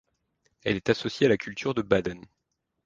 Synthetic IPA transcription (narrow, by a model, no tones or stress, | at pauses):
ɛlɛt̪asɔsjealakʲylt̪yʁd̪əbad̪ɛn